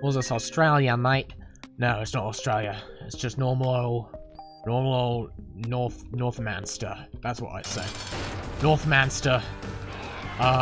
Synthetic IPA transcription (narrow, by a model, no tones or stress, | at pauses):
wəzʌsɔstɹ̥eɪlˠjənaɪʔ | noʊɪtsnəɾəstɹ̥eɪlˠjɨɪtsd̥ʒ̥ʌsnɔɹml̩ˠoʊ | nɔɹml̩ˠoʊlˠnɔɹθnɔɹθmæ̰̃nstə̰˞ðætswʌ̰ɾa̰ɪ̥seɪ̃nɔɹθmæ̃nstə˞ | ʌ